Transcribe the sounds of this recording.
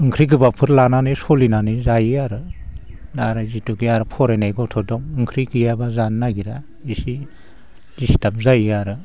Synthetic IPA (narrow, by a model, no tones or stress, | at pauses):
ɯŋkʰɾiɡ̬ɯbapʰɯɾlananɯjsɔlinanɯjzajiaɾɯ | daɾazituɡijaɾɯpʰɔɾajnajɡɔtʰɔdɔŋɯŋkʰɾikɯjabazanːaɡiɾa | isi | disi̥tap̚zajiaɾɯ